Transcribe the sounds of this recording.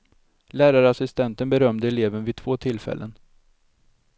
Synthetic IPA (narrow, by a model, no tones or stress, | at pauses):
læːɾaɾəasɪst̪ɛnt̪ənbɛɾœmd̪əɛleːvənvɪt̪ʰv̥oːt̪ʰɪlfɛ̰lːʔə̰n